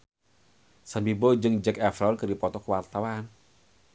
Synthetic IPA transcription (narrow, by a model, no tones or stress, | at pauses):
sambibod͡ʒɨŋd͡ʒɛkafɾaɔnkɨrdipɔt̪ɔkəwart̪awan